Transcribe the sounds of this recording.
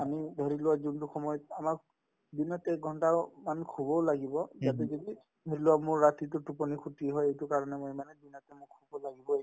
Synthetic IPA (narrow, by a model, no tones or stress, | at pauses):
amidʱɔɹilʊwazuntʊxɔmɔjɔt̚amak | binɔtɛɡʱɔntamankʰubɔlaɡibɔzatɛzɔdi | dʱɔɹilʊwamʊɹːatitʊtupɔnikʰutiɦɔjejtʊkaɹɔnɛmojmanɛbinɔtɛmʊkʰubɔlaɡibɔe